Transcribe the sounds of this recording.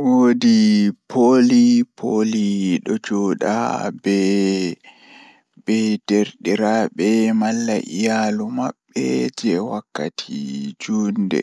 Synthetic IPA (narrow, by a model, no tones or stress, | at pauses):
wodipʰolipʰoliɗɔd͡ʒɔɗa̰bɛ | bɛdeɾɗiɾaɓɛmalːaʔijalumaɓːɛd͡ʒɛwakːatʰid͡ʒuːndɛ̰